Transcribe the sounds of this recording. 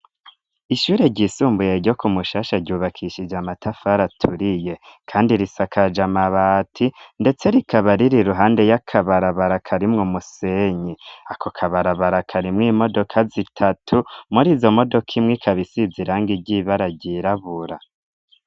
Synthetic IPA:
iʃuːɾeɟiːsuːmbuje̞ɾɟo̞kumuʃaːʃaɟuːβakʰiʃid͡ʒamatʰafaɾatʰuɾije̞kʰaːndiɾisakʰad͡ʒamaβatʰinde̞t͡se̞ɾikʰaβaɾiɾiɾuɦaːnde̞jakʰaβaɾaβaɾakʰaɾimŋomuseɲiakʰokʰaβaɾaβaɾakʰaɾimŋiːmo̞do̞kʰazitʰatʰumuɾiːzo̞mo̞do̞kʰimŋikʰaβisiziɾaːŋɡiɟiːβaɾaɟiɾaβuɾa

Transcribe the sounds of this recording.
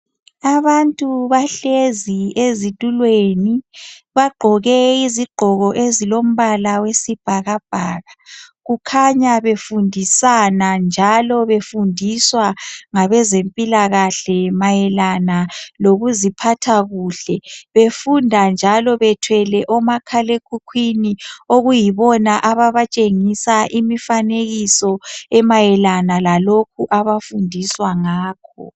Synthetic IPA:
aβantʼuβaɬeziezitʼulweniβaɡ͡ǃʱɔɣɛiziɡ͡ǃʱɔɣɔʔezilom̩βalawesib̥ʱaɣab̥ʱaːɣaɣukʰaɲaβefundʱisanand͡ʒʱalɔβefundʱiswaŋaβɛzempʼilaɣaɬɛmajɛlanaloɣuzipʰatʰaɣuːɬɛβefundʱand͡ʒʱalɔβɛtʰwɛlɛʔɔmakʰalekʰukʰwinioɣujiβɔnaʔaβaβat͡ʃʼeŋisaʔimifaneɣisɔɛmajɛlanalalokʰuʔaβafundʱiswaŋaːk̚ʰɔ̰

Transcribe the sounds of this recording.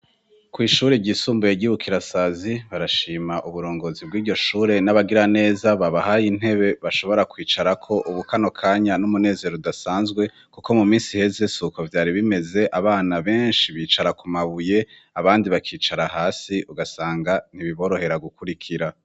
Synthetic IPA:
kwiːʃuːɾeɟiːsuːmbujeɟiβukʰiɾasaziβaɾaʃiːmaʔuβuɾo̞ːŋɡo̞ːzibɡiːdɟo̞ʃuːɾe̞naβaɡiɾane̞ːzaβaβahajiːn̥e̞βe̞βaʃo̞βo̞ɾakwiːt͡ʃaɾakʰo̞ʔuβukano̞kʰaːɲanumune̞ːze̞ɾodasaːnzɡwe̞ | kuko̞mumiːnsihe̞ze̞sukovjaːɾiβime̞ze̞ʔaβaːnaβe̞ːnʃiβiːt͡ʃaɾakumaβuje̞ | aβaːndiβakʰiːt͡ʃaɾaɦaːsiʔuɡasaːŋɡan̥iβiβo̞ɾo̞he̞ɾaɡukʰuɾikʰiɾa

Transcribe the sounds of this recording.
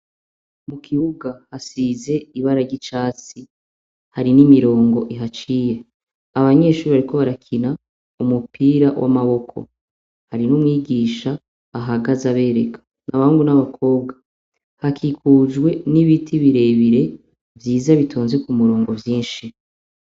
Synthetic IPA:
mukʰiβuɡahasize̞iβaɾaɟit͡ʃaːt͡si | haɾinimiɾo̞ːŋɡo̞ʔiɦat͡ʃije | aβaɲe̞ʃuːiβaɾikʰo̞βaɾakʰina | umupʰiːɾawʔa̰maβo̞kʰo̞̰ | haɾinumŋiːɡiːʃaː | ɦaɡazaβe̞ɾe̞kʰḁ | naβahuŋɡunaβakʰo̞ːb̚ɡḁ | hakʰikʰuːd͡ʒɡwe̞niβitʰiβiɾe̞βiɾe̞ | vjiːzaβitʰoːnzekumuɾo̞ːŋɡo̞vjiːnʃi

